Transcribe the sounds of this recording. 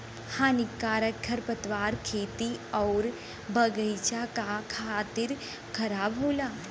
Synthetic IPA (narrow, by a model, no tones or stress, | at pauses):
haːnɪkːaːɾəkɡʰʱɐɾpɐt̪ʋaːɾkʰeːt̪iɔːɾ | bɐɡəjt͡ʃakakʰaːt̪ɪɾ | kʰɐɾaːbɦoːlaː